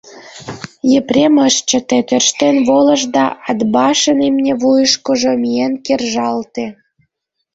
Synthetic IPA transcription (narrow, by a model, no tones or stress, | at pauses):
jeprʲeməʃt͡ɕə̆t̪et̪ørʃt̪enβolə̆ʒd̪ɑɑd̪bɑʃənemnʲeβujəʃkoʒomienkerʒɑlt̪ĕ